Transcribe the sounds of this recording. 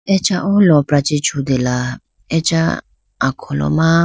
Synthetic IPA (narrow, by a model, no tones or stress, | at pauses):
ɛt͡ʃaʔɔlɔpɾat͡ʃit͡ʃʰud̪ela | ɛt͡ʃa | akʰɔlɔ̰ma